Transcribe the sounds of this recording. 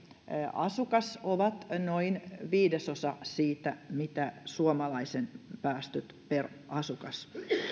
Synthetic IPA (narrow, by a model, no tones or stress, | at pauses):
ɑ̰sukɑsoʋɑt̪noinʋiːdesosɑsiːt̪æmit̪æsuomɑlɑisenpæːst̪yt̪per | ʔɑsukɑs